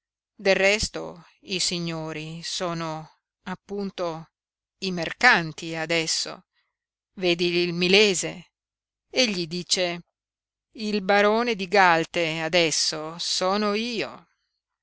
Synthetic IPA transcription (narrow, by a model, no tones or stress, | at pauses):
d̪erːɛst̪o̰ | isiɲːoːɾisoːno | apːunt̪o | imerkant̪iad̪ɛsːo̰ | veːd̪ilmileːze | eʎːid̪iːt͡ʃe | ilbaɾoːned̪iɡalt̪ead̪ɛsːosɔːnoiːo